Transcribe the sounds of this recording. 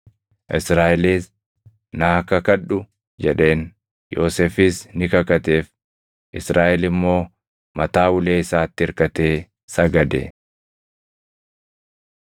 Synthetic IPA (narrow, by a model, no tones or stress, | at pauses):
ʔɪsɾaːʔɛliːs | nakɐkɐᶑʊ | d͡ʒɛᶑe̞ːn | jo̞ːseːfɪːsnɪkɐkɐt̪e̞ːf | ʔɪsɾʔaːʔɛlɪmːo̞ː | mɐt̪aːwʊleːɪsaːt̪ːɪɪɾkɐt̪eː | sɐɡɐd̪ɛ̰